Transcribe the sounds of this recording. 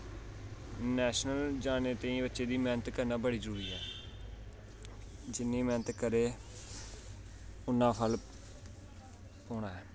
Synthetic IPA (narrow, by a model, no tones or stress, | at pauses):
nɛːʃnəld͡ʒaːneːt̪ẽːĩːbətːʃeːd̪iːmɛːnət̪kəɾnaːbəɽiːzəɾuːɾiːɦɛː | d͡ʒɪnːĩːmɛːnət̪kəɾeː | ʊnːãːpʰəl | oːɳaːɛː